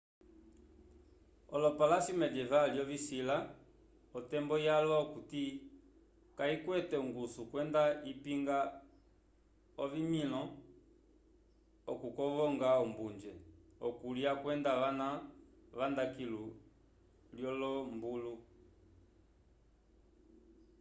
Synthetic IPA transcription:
ɔlɔpalasimɛd͡ʒɛvaljɔvisila | ɔtɛmbɔjalɔɔkuti | kaikwɛtɛuŋɡusukwɛndaipiŋɡa | ɔvimilɔ | ɔkukɔvɔŋɡaumbund͡ʒɛɔkuliakwɛndaʋanavandakilu | ljɔlɔmbulu

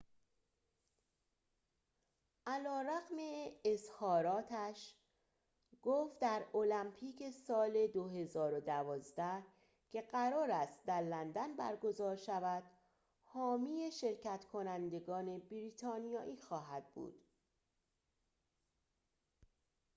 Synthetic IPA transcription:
ʔælɒːɾæɣme̞ezhɒːɾɒːt̪ʰæʃ | ɡ̥oːft̪d̪æɾo̞læmpʰiːcʰe̞sɒːle̞d̪oɦe̞zɒːɾod̪ævɒːzd̪æh | cʰe̞ɢæɾɒːɾæst̪̚d̪æɾlænd̪ænbæ̰ɾɡo̞zɒːɾʃævæd̪̥ | hɒːmije̞ʃe̞ɾcæt̪kʰo̞nænd̪e̞ɡɒːne̞biɾiːt̪ʰɒːnijɒːʔiːxɒːɦæd̪̥̚bṵːd̪̥

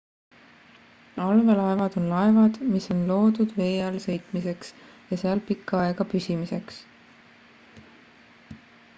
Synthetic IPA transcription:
ɑlvelɑe̞vɑd̪̥o̞nlɑevɑd̪̥miso̞nlo̞ːd̪̥ud̪̥ve̞ːɑlsɤ̞jt̪ˑmise̞ks | jɑseɑlpikˑːɑɑe̞ɡ̥ɑpysʲimise̞ks

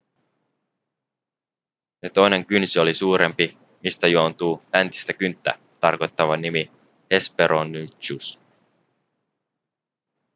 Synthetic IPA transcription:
net̪o̞jne̞ŋkynsio̞lisuːɾe̞mpi | mist̪æjuo̞nt̪uːlænt̪i̥st̪ækynt̪ːæ̰ | t̪ɑrko̞jt̪ːɑʋɑnimi | he̞spe̞ɾʔonːyt͡ʃus

